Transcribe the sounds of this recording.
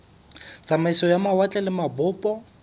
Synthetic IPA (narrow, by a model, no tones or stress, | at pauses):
t͡sʼamaisɔjamawat͡ɬʼɛlɪmabʊːpʼɔ